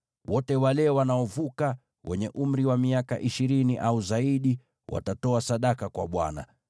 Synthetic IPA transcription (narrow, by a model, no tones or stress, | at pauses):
wɔtɛwalɛwanaɔvuka | wʔɛ̰ɲɛʔum̩ɾiwamiaka̰ʔiʃiɾiniʔauzaiɗi | wʔa̰tatɔasaɗakakwa̰ɓwa̰na̰